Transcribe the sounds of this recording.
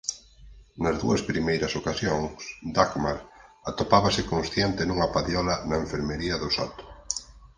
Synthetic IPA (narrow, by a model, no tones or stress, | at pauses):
nɐzðṵɐspɾimejɾɐsokasjoŋsd̪akmaɾat̪opaβɐsɪkõnsθjent̪ɪnuŋɐpaðjɔlɐnɐeɱfeɾmeɾiɐðʊsa̰t̪ʊ̥